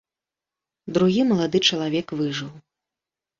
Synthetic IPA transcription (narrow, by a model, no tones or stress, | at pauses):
d̪ɾuɣʲimɐlˠad̪ɨt͡ʂɐlˠavʲɛkvɨʐɨw